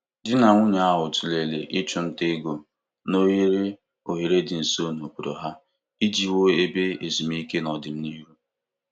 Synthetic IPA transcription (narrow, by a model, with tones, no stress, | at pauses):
dɪ˦na˨ŋʷʊ˦ɲa˨a˦˨ɦʊ˨tu˨le˨le˨ʔɪ˦t͡ʃʊ˨n̩˦te˦ɡo˨ | no˦ɦi˦ɾe˦ | o˨ɦi˨ɾe˦dɪ˨n̩˨so˦˨no˨ku˨ɾo˨ɦa˦ | i˦d͡ʒi˦wo˦e˦be˦e˨zi˨m̩˦i˦ke˦nɔ˨dɪ˨m̩˦ni˦ɾu˦